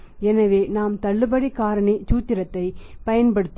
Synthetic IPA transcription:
ɛnɐʋeːnaːmt̪ɐɭːɯbɐɽikaːɾɐɳit͡ʃuːt̪ːɪɾɐt̪ːɐɪpɐjɐnpɐɽɯt̪ː

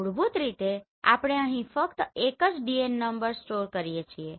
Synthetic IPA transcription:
uɽbʱut̪ɾit̪e | a̰pɽ̃eəɦĩpʰəkt̪ekət͡ʃɖienːəmbəɾsʈoɾkəɾijet͡ʃʰie

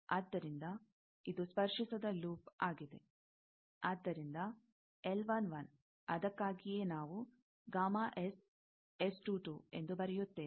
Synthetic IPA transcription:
aːd̪ːɐɾind̪ɐ | id̪uspɐɾʂisɐd̪ɐluːpaːɡid̪e̞̰ | aːd̪ːɐɾind̪ɐ | elʋɐnʋɐn | ɐ̰d̪ɐkːaːɡije̞ːnaːʋu | ɡaːmaːʔes | esʈuːʈuːe̞nd̪ubɐɾɛjut̪ːe̞ː

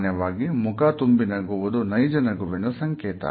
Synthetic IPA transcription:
njɐʋaːɡimukaːt̪umbinɐɡuʋud̪unɐjd͡ʒɐnɐɡuʋɛnusɐŋkɛːt̪ɐ̰

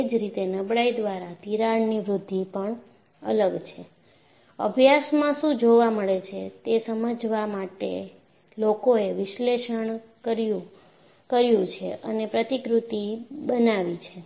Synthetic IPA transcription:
d͡ʒɾit̪enəbɽaid̪ʋaɾat̪iɾaniʋɾʊd̪ʱːipəɳ | ə̰ləɡt͡ʃʰe | ə̰bʱjasmãʃũd͡ʒoʋaməɭet͡ʃʰet̪esəməd͡ʒʋamaʈḛ | lokoeʋɪʃleʃəɳkəɾju | kəɾjũt͡ʃʰḛʔənepɾət̪ikɾut̪ibənaʋit͡ʃʰe

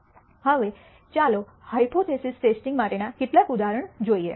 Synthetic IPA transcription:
həʋe | t͡ʃalo | haipʰoʈesisʈesʈĩŋɡmaʈenakɪʈlakud̪aɾəɳd͡ʒoiḛ

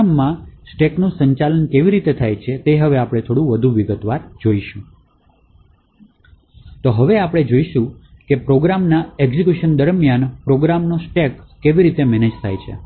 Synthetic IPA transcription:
mːãsʈeknũsəɲt͡ʃalənkeʋiɾit̪et̪ʰajt͡ʃʰet̪eɦəʋeapɽ̃et̪ʰoɽũʋəd̪ʱũʋiɡət̪ʋaɾd͡ʒoiʃũ | t̪oɦəʋeapɽ̃ed͡ʒoiʃũkepɾoɡɾamnaeɡzikjuʃənd̪əɾmjanpɾoɡɾamnosʈekːeʋiɾit̪emɛned͡ʒt̪ʰa̰jt͡ʃʰḛ

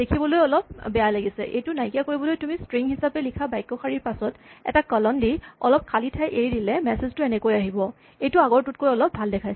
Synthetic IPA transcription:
dekʰibɔlojɔlɔp̚bɛjalaɡisɛ̰ʔḛjtʊnajkijakoɹibɔlojtumistɹiŋɦisapɛlikʰabajkːɔxʰaɹiɹpasɔtɛ̰takɔlɔndiɔ̰lɔp̚kʰalitʰajʔeɹidilɛmɛseztʊɛnɛkojaɦibɔ | ejtʊaɡɔɹtut̚kojɔlɔp̚bʱaldɛkʰajs

